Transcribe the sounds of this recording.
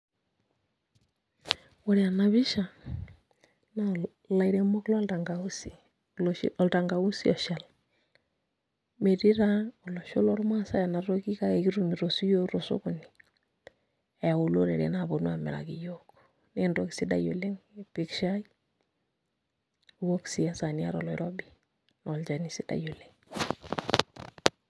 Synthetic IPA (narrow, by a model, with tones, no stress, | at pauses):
wɔ˨ɾi˨a˨na˨βi˦ʃa˨ | na˦ | la˨iɾe˨mɔ˦klɔ˦lta˨ŋɡa˨u˦si˨ | l̰ɔ˨lta˨ŋɡa˨u˦si˦ɔ˨ʃa˨l | me˨ɾi˦ɾa˦ɔ˨lɔ˨ʃo˦lɔ˦ɾma˦sa˦ja˨na˨ɾo˦ki˦ka˦ke˨ki˦ɾu˦mi˨ɾo˨su˦jo˦ɾo˨so̰˦kʊ˨ni˨ | ɛ˨ja˨o˨lo˦ɾe˨ɾḛ˨˦na˨bo˨nu˦a˨mɛ̰˨ɾa̰˨ki˨jo˦k | ne˦ndo˦ki̥˨si˦da̰˨jo˨le˦ŋ˨pi˦kʃa˦i | u˨wo˦ksi˨a˦sa˨ni˦a̰˦ɾɔ̰˨lɔ˨ɪɾɔ˦bi | nɔ˨lt͡ʃa˨ni˦si˦da̰˨jo˨le˦ŋ